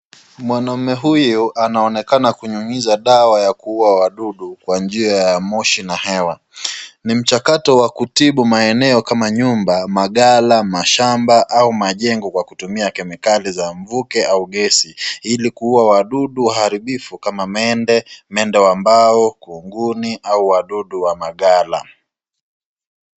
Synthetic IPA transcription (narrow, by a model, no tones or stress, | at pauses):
mwanam̩mːɛɦujuʔanaɔnɛkanakuɲuŋizaɗawajakuuawaɗuɗukwand͡ʒiajamɔʃinahɛwa | nim̩t͡ʃakatɔwakutiɓumaɛnɛɔkamaɲumbamaɠalamaʃambaʔaumaʄɛŋɡɔkwakutumiakɛmɛkalizaɱvukɛauɠɛsiilikuuwawaɗuɗuaɦaɾiɓifukamamɛndɛmɛndɛwambaɔkuŋɡuniʔauwaɗuɗuwamaɠala̰